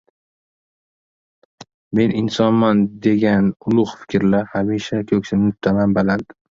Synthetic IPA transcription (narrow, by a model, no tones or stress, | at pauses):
me̞nɪnsɒnmand̪e̞ɡʲanʊlˠʊχfɪ̥kʲʰɾlaɾhamiʃakʲʰɵkʲsɪnmʊt̪ʰːamambaland̪ɪ